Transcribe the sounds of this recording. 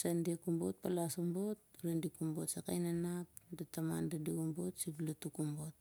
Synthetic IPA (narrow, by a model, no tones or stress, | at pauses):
sandiakumbot̚palasombo̞t̚uɾendikumbo̞tsaka̰jnanap̚datama̰ndadiɡumbotsiblatukumbo̞t̚